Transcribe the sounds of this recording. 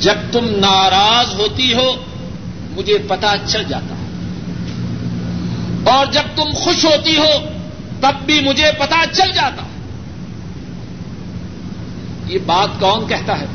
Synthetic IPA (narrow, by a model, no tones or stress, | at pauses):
d͡ʒɐb̚t̪ʊmnaːɾaːzɦoːt̪iɦoː | mʊd͡ʒʱepɐt̪at͡ʃɐld͡ʒaːt̪a̰ɦɛ | ɔːɾd͡ʒɐb̚t̪ʊmxʊʃɦoːt̪iɦoː | t̪ɐbːʱimʊd͡ʒʱepɐt̪at͡ʃɐld͡ʒaːt̪a̰ːɦ | jeːbaːt̪kɔːnkɛɦt̪aɦɛː